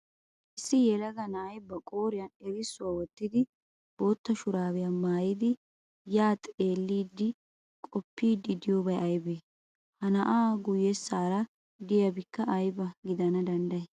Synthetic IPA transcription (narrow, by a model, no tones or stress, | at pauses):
ʔɪsːɪjɛlɐɡɐnɐɐjbːɐkʼoːɾɪjɐnɛɾɪsːʊwaːwɔt̪ːɪd̪ɪ | b̥o̞ːt̪ːɐʃʊɾaːwɪjɐmaːjid̪ɪ | jaːt̪ʼe̞ːlːiːd̪ːɪ | kʼɔpːiːd̪ːɪd̪ɪjoːbɐjɐjbeː | hɐnɐʔaːɡʊjesːaːɾɐ | d̪ɪjɐbɪkːɐʔɐjbɐɡɪd̪ɐnɐd̪ɐnd̪ɐɛ